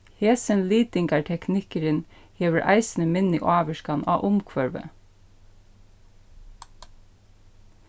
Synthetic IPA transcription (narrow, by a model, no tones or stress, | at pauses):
heːsənliːd̪ɪŋɡæːʈʰɛknɪkəɾənheːʋəɾʔæ̰ɪsn̩əmɪnə̰ʔɑːʋəʃkɑnɑ̰ːʔʊmkʰʋœɹʋə̰